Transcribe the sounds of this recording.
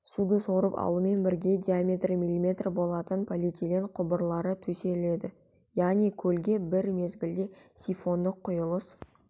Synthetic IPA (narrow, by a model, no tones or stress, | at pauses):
sud̪əsoɾəpɑ̰lˠəme̞nbɪɾɡʲe̞dʲiamʲe̞t̪rimilʲimʲe̞t̪rbo̞lˠɑt̪ənpʰolit̪ʲilenqʰʊbəɾlˠɑɾət̪ʰɵse̞le̞d̪ɪ | jaʁnijkʲʰɵlɡʲe̞bɪɾme̞zɡʲɪld̪e̞sʲifo̞nd̪əqʰːʊjəlˠəs